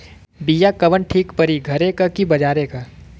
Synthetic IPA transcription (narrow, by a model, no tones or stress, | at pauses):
bijakɐʋənʈʰiːkpɐɾiɡʱɐɾekakibɐd͡ʒaːɾeka